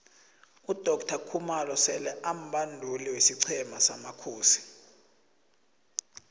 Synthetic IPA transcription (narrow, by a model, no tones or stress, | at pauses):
ud̥ʱɔk̚tʰakʰumalɔsɛlɛʔam̩ɓandʱuliwesiǀʰɛmasamakʰuːsi̥